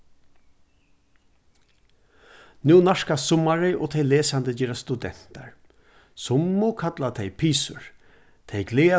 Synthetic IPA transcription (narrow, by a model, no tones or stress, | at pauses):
nuːnaʂkasʊmːaɾɪʔɔ̰ːt̪ʰɛjleːsant̪əd͡ʒɛːɾast̪ud̪ɛ̰n̥t̪a̰ɹ | sʊmːʊkʰat̪lat̪ʰɛjpʰiːsʊɹ | t̪ʰɛjɡleːa